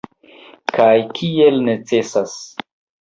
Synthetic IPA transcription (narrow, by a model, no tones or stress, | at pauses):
kajkʰielnet͡se̞sas